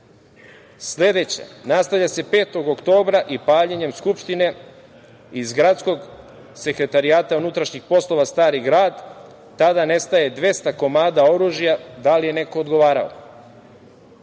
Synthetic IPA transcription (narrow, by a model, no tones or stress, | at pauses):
sʎe̞d̪e̞t͡ɕa̰nast̪avʎase̞pe̞ːt̪oɡokt̪o̞ːbɾaʔipaːɲeɲe̞mskupʃt̪ine̞ | izɡɾat̪sko̞ɡ | se̞kɾe̞t̪aɾijaːt̪aunut̪ɾaʃɲixpo̞slˠo̞ʋast̪aːɾiɡɾaːd̪ː | ad̪ane̞st̪aje̞d̪ʋe̞st̪ako̞maːd̪ao̞ɾuːʒijad̪alije̞ne̞ko̞ːd̪ɡo̞ʋaːɾa̰o̰